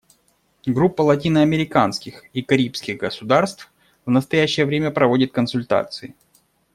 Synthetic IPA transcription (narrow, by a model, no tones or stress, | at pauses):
ɡɾupːəlˠɐt̬ʲinəɐmʲɪɾʲɪkanskʲɪxikɐɾʲipskʲɪɣɡəsʊd̪arst̪f | vnəst̪ɐjæɕːɪjəvɾʲemʲəpɾɐvodʲɪt̪̚kənsʊlʲt̪a̰t̪sɨɪ